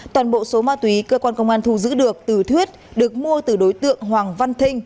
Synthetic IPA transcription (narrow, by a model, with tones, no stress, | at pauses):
tt̪waː˨˩nɓo̰˧˨so˨˦maː˧t̪wi˨˦kəː˧kwaː˧nkə˧wŋ͡mʔaː˧nt̪ʰu˧˩zɨ̰˧˥ɗɨ˨˩ək̚t̪ɨ˨˩t̪ʰwi˦˥ət̚ɗɨ˨˩ək̚mu˧ət̪ɨ˨˩ɗo˨˦jt̪ɨ̰˧˨əŋɦwaː˨˩ŋva˧nt̪ʰï˧ŋ̟